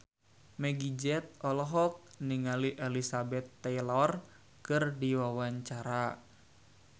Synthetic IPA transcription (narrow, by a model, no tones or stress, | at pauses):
mɛɡid͡ʒɛt̪̚ɔlɔɦɔk̚niŋaliʔɛlisabɛt̪ːɛjlɔr | kɨrdiwawaɲt͡ʃaɾa